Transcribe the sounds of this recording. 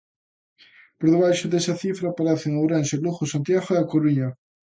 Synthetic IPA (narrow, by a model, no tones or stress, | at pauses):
poɾðeβ̞ajʃʊðesɐθifɾɐpaɾeθɪŋowɾenʃeluɣosant̪jaɣoeakoɾuɲɐ